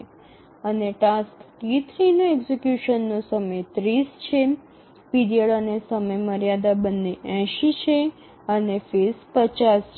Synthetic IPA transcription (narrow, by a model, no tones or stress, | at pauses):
əneʈaskt̪it̪ʰɾinoeɡzekjuʃənːõsəməjt̪ɾist͡ʃʰe | pid̪ijəɭanesəməjməɾjad̪abənːeʔɛ̃ʃit͡ʃʰe | ənefespət͡ʃasʰ